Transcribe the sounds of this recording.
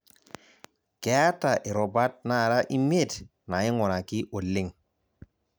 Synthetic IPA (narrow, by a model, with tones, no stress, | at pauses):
kɛ˨a˦ta˨ʔi˨ɾɔ˨ba˦t̚na˦˨ɾa˦ʔi˦me˦˨t | na˨i˦ŋɔ˨na˨ki˦ʔo˨lːɪ˦ŋ